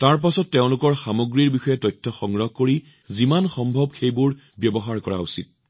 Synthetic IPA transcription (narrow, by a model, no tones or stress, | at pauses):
taɹp̬asɔtːeʊ̃lʊkɔɹxamoɡɹiɹbixɔjɛtɔjtʰːɔxɔŋɹɔhkoɹi | zimanxɔmbʱɔbxejbʊɹ | bjɔbɔɦaɹkɔɹa̰usḭt̚